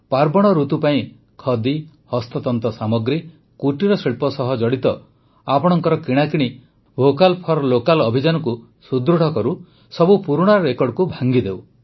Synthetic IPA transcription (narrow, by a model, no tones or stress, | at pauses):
paɾbɔɽ̃ɔɾut̪upaĩ | kʰɔd̪i | hɔst̪ɔt̪ɔnt̪ɔsamɔɡɾi | kuʈiɾɔsiɭpɔsɔɦɔd͡ʒɔɽit̪ɔ | apɔɽ̃ɔŋkɔɾɔkiɽ̃akiɽ̃i | bʱokalpʰɔɾlokalɔbʱid͡ʒanɔku | sud̪ɾuɽ̤ʱɔkɔɾu | sɔbupuɾuɽ̃aɾɔɾekɔɖkubʱaŋɡid̪ew